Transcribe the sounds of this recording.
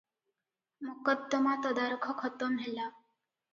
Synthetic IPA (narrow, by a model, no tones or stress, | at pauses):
mukəd̪ːəmat̪əd̪aɾukʰəkʰət̪əmɦela